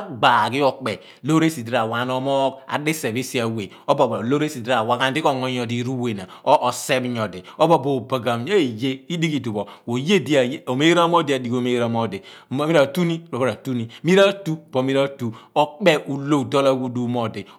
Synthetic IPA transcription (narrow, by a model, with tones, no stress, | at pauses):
a˦ɡ͡ba˨ki˦ɔ˨k͡pɛ˨ | lo˦ɾe˦si˨di˦ɾa˨wa˨no˦mɔ˦ka̰˨di˦se˨bi˦si˦a˨we˨ | o˦bo˨ba˨lo˦ɾe˦si˨da˨wa˨ka˦n˦di˦ko˨ŋɔ˦ɲɔ˨di˨˦ɾu˦we˨na˨o˦ʔːse˦bɲɔ˨de˨o˦bo˦bo˨ba˨ɡa˨m˦ɲo˦e˨je˦i˦di˦ki˨du˨bo˨wo˨je˦˨di˦a˨˦o˨me˦ɾa˦mo˦di˦a˨di˨ko˨˦˨me˦ɾa˨˦mo˦˨de˨m˦mi˦ɾa˨tu˦ni˦˨ɾo˨bo˦ɾa˨tu˦ni˦mi˦ɾa˦tu˦˨bo˨mi˦ɾa˦tu˨o˦k͡pe˦ʔu˨lo˦˨do˦la˦wu˦du˨˦mo˦˨de˨